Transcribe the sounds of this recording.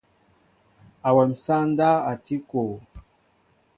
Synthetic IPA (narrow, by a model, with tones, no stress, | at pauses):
a˨wɛ˨m̩˨sa˦nda˦a˨ti˦ko˨